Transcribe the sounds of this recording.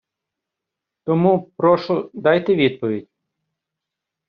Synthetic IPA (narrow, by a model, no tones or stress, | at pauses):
t̪ɔmupɾɔʃʊd̪ɑjt̪ɛʋʲid̪̚pɔʋʲidʲ